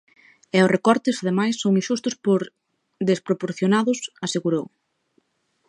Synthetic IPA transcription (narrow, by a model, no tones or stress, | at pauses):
ɛʊsrekɔɾt̪ɪsaðemajsːõŋiʃust̪ʊspoɾ | ðespɾopoɾθjonaðʊsaseɣuɾow